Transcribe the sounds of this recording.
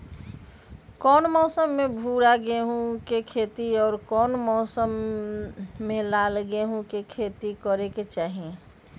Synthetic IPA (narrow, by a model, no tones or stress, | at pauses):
kɔːnmɔːsəmːẽbʱuːɾaɡeɦũkekʰeːt̪iɔːɾkɔːnmɔːsəmː | ẽlaːlɡeɦũkekʰeːt̪ikəɾeket͡ʃaːɦiẽ